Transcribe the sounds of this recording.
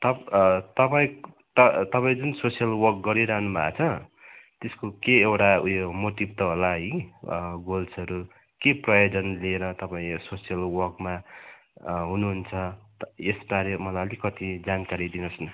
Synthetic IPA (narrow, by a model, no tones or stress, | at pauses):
t̪ʌt̪ʌpaĩ | t̪ʌt̪ʌpaĩd͡zunsosijʌlwʌrk̚ɡʌɾiɾaɦnuma̰t͡sʰʌt̪eskokeewʈaujomot̪ibt̪ʌɦolaĩ | ɡolsʌɾu | keprʌjod͡zʌnlieɾʌt̪ʌpaĩsosijʌlwʌrkma | ɦunuɦunt͡sʰʌesbaɾʌmʌlaʌlikʌt̪id͡zankaɾid̪inʌsnʌ